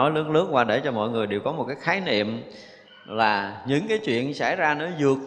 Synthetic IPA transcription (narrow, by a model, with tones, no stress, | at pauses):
ɔ˨˦jlɨ˨˦ən̚lɨ˦˥ək̚kwaː˧˩ɗe˧˩t͡ɕɔ˧mɔ̰˧˨jŋɨ˨˩əjɗe˨˩wkɔ˨˦mo˨˩t̚kaː˨˦jxaː˨˦jnḭ˧˨əm | laː˨˩ɲɨ̰˧˥ŋkaː˨˦jt͡ɕwḭ˧˨ənsa̰˧˩˨jzaː˧nɔ˨˦zɨ˨˩ək̚